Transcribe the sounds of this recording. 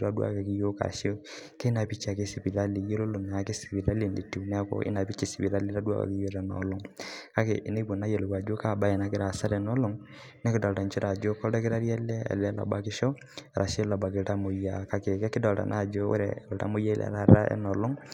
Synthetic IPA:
ɾa˦dwa̰˦ka˨ki˦jo˦ka̰˨ʃo˦ | ke˦na˨pi˦t͡ʃa˨ke˦si˨pi˨ɾa˦li˨je˦lo˦lo˨na˨a˨kɪ˦si̥˨pi˨ɾa˦le˨ne˨ti˨nɛ˦ko̰˦ʔɪ̰˦na˨pi˦t͡ʃi˨sɪ˨pi˨ɾa˦li˦ɾa˦dwa̰˦ka̰˨ki˦jo˦ɾɛ˨nɔ̰˨lɔ˦ŋka˦kḛ˨ʔɪ˨ne˦bo˨na˦je˨lo˨ka˨d͡ʒo˦ka˨ba˦ɛ˨na˦kɪ˦ɾa˨sa˦ɾɛ˨nɔ˦lo˦ŋ | nɛ˦kɪ˦dɔ˨lta˨nt͡ʃi˦ɾa˨d͡ʒo˦kɔ˦ɛ˦kɪ˦ɾa˦ɾja˦lɛ˦a̰˨lɛ˦la̰˨ba˨kɪ˦ʃo˦ | ɾʔa˨ʃe˦la˨ba˨kɪ˨lta˦mo˨ja˨ka˦ke˨kɛ˦kɪ˦dɔ˨lta̰˨nʔa̰˦˨d͡ʒo˦wo̰˦ɾɛ̰˨lta̰˦mo˦ja˦i˦lʔɛ̰˨ɾa˦ɾa̰˦ɛ̰˦nɔ˨lɔ˦ŋ

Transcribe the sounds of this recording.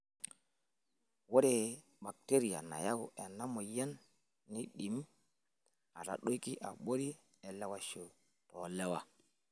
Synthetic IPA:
wo˦ɾɛ˨ | ba˨k̚te˦ɾi˨ja̰˨na̰˨ja˦ɡu˨ʔɛ˨nːa˦mɔ˨jɛ˦nː | i˦ɗi˨m | a˨ta̰˨ɗo˦ki˦ʔa̰˨ɓo˦ɾi˦ | ɛ˨lɛ˦wa˨ʃo˨ | tɔ˨lɛ˦wa˨

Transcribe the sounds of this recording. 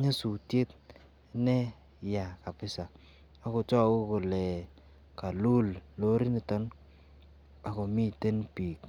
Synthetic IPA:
ɲa˦su˨tje˦t | nɛ˦ | ja˨ka˨pɪ˦sa˨ | a˦ko˨t͡ʃɔ˦ko˦ko˨lɛ˨ | ka˨lu˦llo˦ɾi˦nɪ˨tɔ˦n | a˨ko˨mi˦te˦npiː˨k

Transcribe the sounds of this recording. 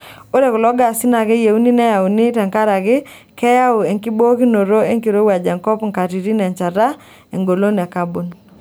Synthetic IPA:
o˦ɾe˨ku˨lɔ˨˦ɡa˨sɪ˦na˨kɛ˦je˨u˦ni˦nɛ˦ja˨u˨nɪ˦tɛ˨ŋka˦ɾa˨kɪ˦ | kɛ˦ja˦u˨e˨ŋki˦bo˦ki˦no˨ɾo˦e˦ŋki˨ɾo˦wa˨d͡ʒa˨ŋkɔ˦pŋka˨ti˨ɾi˦nɛ˨ɲt͡ʃa˨ɾa˦ | e˨ŋɡo˨lo˦nɛ˨ka˦bo˨n

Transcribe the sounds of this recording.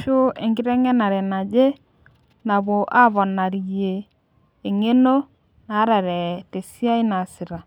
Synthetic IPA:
ʃo˦e˨ŋɡi˦ɾɛ˦ŋɛ˦na˨ɾɛ˨na˨d͡ʒe˦ | na˨βo˨ʔa˦βɔ˨na˨ɾi˨jeː˨ | ŋe˦no˦ | na˨˦ɾa˨ɾɛ˨te˨si˦a˦i˦na˨si˨ɾa˨

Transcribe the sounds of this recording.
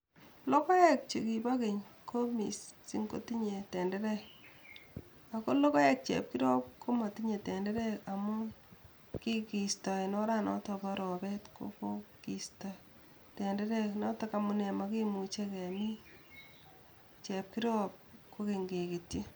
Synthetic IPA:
lo˦kɔ˦jɛ˨k̚t͡ʃe˨ki˨ba˦ke˨ɲkʰo˦mi˨ssi˦ŋko̰˦ti˦ɲe˨tɛ˨ndɛ˦ɾɛ˦k | a˨ko˦lo˦kɔ˦jɛ˨k̚t͡ʃɛ̰˨p̚ki˦ɾɔ˦p̚kʰo˦ma˨ti˦ɲe˨tɛ˨ndɛ˦ɾɛ˦ka˨mʊ˦ | ki˦ki˨stɔ˨inɔ˦ɾa˦nɔ̰˦tɔ˨bɔ˦ɾɔ˨bɛ˦tko̰fo˦ki˨stɔ˨ | tɛ˨ndɛ˦ɾɛ˦knɔ˦ta˦ka˨mʊ˨ne˨ma˦ki˦mu˨t͡ʃe˦kɛ˨mi˦ | t͡ʃɛ˨p̚ki˦ɾɔ˦p̚ko˦ke˨ŋɡe˨ki˨tje˦

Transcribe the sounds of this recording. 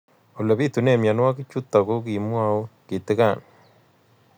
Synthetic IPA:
o˨lo˨pi˦tu˨ne˨mja˨nwa˦ki˦t͡ʃu˦tːa˨ko˦k̬i˨mwa˦u˦ki˨t̪ɪ˦ka˦˨n

